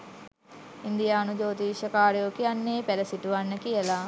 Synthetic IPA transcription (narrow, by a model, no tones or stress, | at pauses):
ind̪ijaːnud͡ʒoːt̪iːʃəkaːɾjoːkianːeːpæləsiʈuʋanːəkijəla